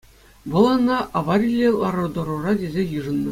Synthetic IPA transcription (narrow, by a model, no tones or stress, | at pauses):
ʋɤ̆lˠɑnːɑʔɑʋɑrʲilʲːelˠɑrɤ̆d̪ŏɾŭrɑdʲezʲejɯʐɤ̆nːɤ̆